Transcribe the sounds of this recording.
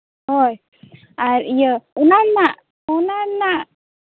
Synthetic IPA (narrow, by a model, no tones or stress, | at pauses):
hoj | aɾijəunanaʔ | unanaʔ